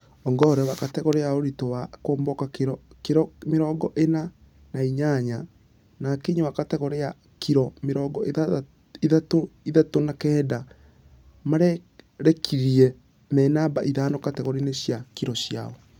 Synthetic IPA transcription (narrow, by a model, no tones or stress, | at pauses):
ɔŋɡɔɾɛwakatɛɣɔɾeaoɾitowakoːmbɔkakeɾɔkeɾɔmeɾɔːɡɔʔena | naiɲaɲa | nakeɲowakatɛɣɔɾea | kʰiɾɔmeɾɔɡɔeða | iðatoiðatonakɛːda | maɾɛɾɛkʰiɾiɛ | mɛnabaʔiðanɔkatɛɣoɾineɕjakiɾɔɕja̰ɔ